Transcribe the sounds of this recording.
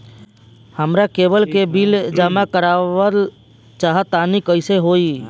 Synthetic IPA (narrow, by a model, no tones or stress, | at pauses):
həmɾakebəlkebild͡ʒamakəɾaʋəl | t͡ʃaɦət̪anikəɪseɦoi